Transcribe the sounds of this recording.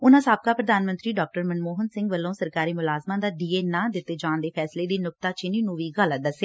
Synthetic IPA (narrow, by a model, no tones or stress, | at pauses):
ʊnãːsaːb̚kaːpɾəd̪aːnmənt̪ɾiːɖɔːk̚ʈəɾmənmoːɦənsɪ̃ŋɡʋəlːõːsəɾkaːɾiːmʊlaːzmãːd̪aːɖiːeːnãːd̪ɪt̪ːeːd͡ʒãːnd̪eːpʰɛːsleːd̪iːnʊk̚t̪aːt͡ʃɪnĩːnũːʋiːɡəlad̪əsjaː